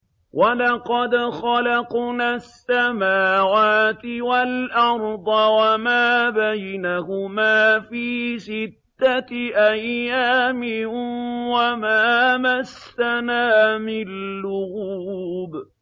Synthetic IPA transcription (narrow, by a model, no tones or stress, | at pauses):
walɑqɑd̪xɑlɑqnaːsːamaːwaːt̪ɪwalʔɑɾˤd̪ˤɑwamaːbajnahʊmaːfiːsɪt̪ːaʔajːaːmɪ | wamaːmasːanaːmɪlːʊhuːb